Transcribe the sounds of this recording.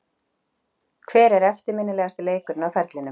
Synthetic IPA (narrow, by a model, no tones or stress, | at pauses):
kʰvɛːɾɛɾɛft̪ɪɾmɪnːɪlɛɣast̪ɪleːjkʏɾnawfɛɾt̪lɪnʏ